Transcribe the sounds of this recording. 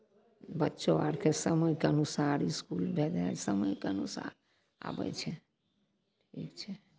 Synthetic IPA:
bətːʃoaɾkʰesəməjkeənusaɾiskulbʱed̪easəməjkeənusa̰ɾ | a̰bə̰t͡ʃʰɛ | ʈʰiːkt͡ʃʰɛ

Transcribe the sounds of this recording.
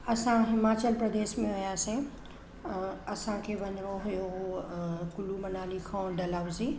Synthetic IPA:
ɐsãɦɪmaːt͡ɕəlpɾɐd̪eːʃmẽʋɐjaːse | ɐsãkʰeːʋɐɲɪɾoɦujo | kʊlumɐnaːlikʰãːɖɐlaːʋʊzi

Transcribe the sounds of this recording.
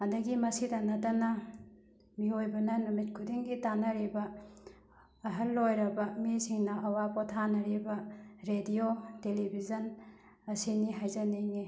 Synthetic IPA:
ɐndɐɡimɐsidɐnɐdɐnɐ | miojbɐnɐnumit̚kʰudiŋɡitanɐɾibɐ | ɦɐlːojɾɐbɐmisiŋnɐɐwapotʰanɐɾibɐɾediotelibʱizɐn | ɐsiniɦajzɐneŋe

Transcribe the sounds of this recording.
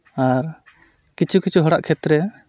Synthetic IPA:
aɾ | kit͡ʃʰukit͡ʃʰuɦɔɽaʔkʰɛt̪ɾɛ

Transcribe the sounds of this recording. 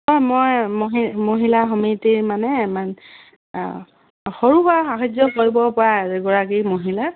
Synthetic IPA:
ɔmojmɦimoɦilaxɔmitiɹmanɛman | xoɹubaxaɦad͡ʒɔkoɹibɔpɔɹaɛɡɔɹak̬imoɦila

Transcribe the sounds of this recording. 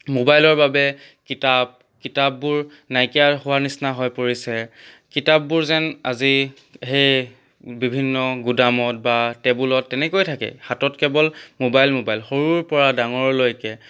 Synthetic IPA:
mobajlɔɹbabɛ | kitab̚ | kitab̚ːuɹ | najkijaɹhʊwaɹnisnaɦɔjpoɹisɛ | kitabːuɹzɛna̰zi | ɦej | bibʱinːɔɡudamɔt̚batɛbulɔtːɛnɛkojtʰakɛ̰hatɔtkɛbɔlmobajlmobajlxoɹuɹpɔɹadaŋɔɹlojkɛ

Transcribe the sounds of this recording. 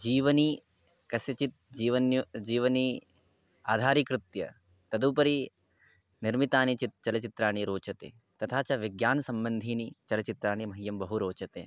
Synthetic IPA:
d͡ʒiːʋɐni | kɐsjɐt͡ʃit̪̚d͡ʒiːʋɐnjud͡ʒiːʋɐni | aːd̪ʱaːɾikɾut̪jɐ̰ | t̪ɐd̪uːpɐɾi | niɾmit̪aːnit͡ʃit̪t͡ʃɐlɐt͡ʃit̪ɾaːɳ̃iɾoːt͡ʃɐt̪ḛː | t̪ɐt̪ʰaːt͡ʃɐʋiɡjaːnɐsɐmbɐnd̪ʱiːnit͡ʃɐlɐt͡ʃit̪ɾaːɳimɐɦijɐmbɐɦuɾoːt͡ʃɐt̪ḛː

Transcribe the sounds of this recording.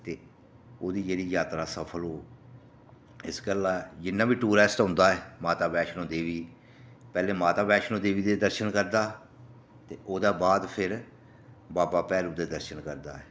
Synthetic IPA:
t̪eː | oːd̪iːd͡ʒeːɾiːjaːt̪ɾaːsəpʰəlɦoː | ɪsɡəlad͡ʒɪnːãːbiːʈuːɾɛːsʈɦʊ̃nd̪aːɛːmaːt̪aːbɛːʃnõːd̪eːʋiː | pɛːleːmaːt̪aːbɛːʃnõːd̪eːʋiːd̪eːd̪əɾʃənkəɾd̪aː | t̪eːʔoːd̪aːbaːd̪pʰɪɾ | baːpaːpɛːɾuːd̪eːd̪əɾʃənkəɾd̪a̰ːɛː

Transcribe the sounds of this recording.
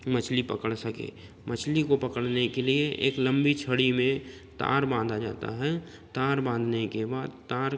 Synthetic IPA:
mət͡ʃʰlipəkəɽsəkḛː | mət͡ʃʰlikopɐkəɽnekelieʔḛːklə̃mbit͡ʃʰəɽimẽ | t̪a̰ːɾbãːnd̪ad͡ʒa̰ːt̪a̰ɦɛ | t̪aːɾbãːnd̪ʱnekebaːd̪t̪aːɾ

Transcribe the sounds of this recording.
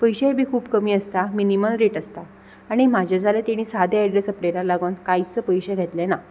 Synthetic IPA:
pəjɕeebʱiːkʰuːbkəmiːəst̪aminiməlɾeʈəst̪a | aɽ̃imad͡ʑʱad͡zʱalet̪eɽ̃iːsad̪ʱeaɖɾesəpleɾalaɡonkajt͡səpəjɕɛɡʱet̪lɛna

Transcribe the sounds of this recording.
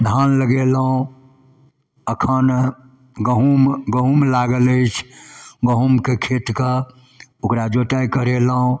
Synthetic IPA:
d̪ʱanləɡelɦũ | əkʰən | ɡəɦumɡəɦumlaɡələɪt͡ʃʰɡəɦumkekʰet̪kə | okɾad͡ʒoʈəjkəɾeləɦũ

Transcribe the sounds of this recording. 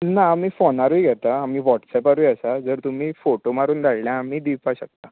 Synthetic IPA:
naːmiːfonaɾuiɡʱɛt̪aamiːʋɔʈsɛpaɾujəsad͡zəɾt̪um̤iːfoʈomaɾuːnd̪ʱaɭljãːm̤iːd̪ipaɕək̚t̪a

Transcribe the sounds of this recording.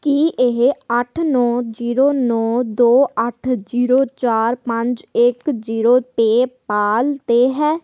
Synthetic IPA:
kiʔɪɦəʈʰnɔːd͡ʒiːɾoːnɔːd̪oːəʈʰziːɾoːt͡ʃaːɾpə̃ɲd͡ʒɪkziːɾoːt̪eːpaːlt̪eːɦɛː

